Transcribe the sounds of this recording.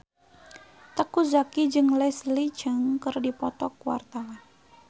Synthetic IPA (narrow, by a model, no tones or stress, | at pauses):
t̪əkuzakid͡ʒɨŋlɛslid͡ʒəŋkərdipɔt̪ɔkuwa̰rt̪awan